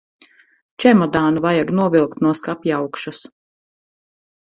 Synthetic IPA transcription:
t͡ʃɛmɔd̪aːnuvajaɡnuɔvilˠkt̪nuɔskapjawkʃas

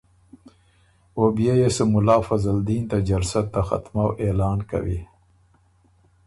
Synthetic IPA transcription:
obijejesəmʊlɑːfazald̪iːnt̪ad͡ʒalsat̪ːaxa̰t̪mawʔeːlɑːnka̰wḭ

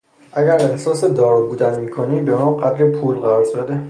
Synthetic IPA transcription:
ʔæɟæɾe̞hsɒːse̞d̪ɒːɾbuːd̪ænmiːkʰoniːmbe̞mɒːɢæd̪ɾepʰuːlɢæɾɒːɾʃæd̪e

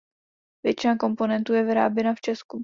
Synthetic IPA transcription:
vjɛt͡ʃɪnako̞mpo̞nɛnt̪uːjɛvɪɾa̰ːbjɛnaft͡ʃɛsku

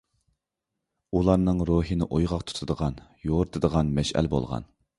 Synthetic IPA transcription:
ulˠɑɾnɨŋɾuɦɨnɪʔojʁɑq̚t̪ʰu̥t̪ʰɨd̪əʁɑnjoɾt̪ʰɨd̪əʁɑnmɛʃæ̰lbo̰lˠʁɑ̰n

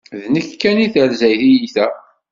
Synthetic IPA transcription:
ðnəkkːæniθəɾzæjθijiθæ

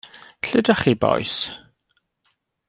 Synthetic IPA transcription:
ɬɪdaχibɔ̰js

